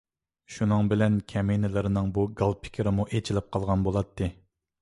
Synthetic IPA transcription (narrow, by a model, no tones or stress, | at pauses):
ʃunɨŋbɪlɛnkʲʰɛmejnɪlɪɾɪnɨŋbuɡɑlˠpʰɪ̥kʲʰɪɾɪmuʔet͡ʃʰilɪp̚qʰɑlˠʁɑnbolˠɑt̪ʰːɨ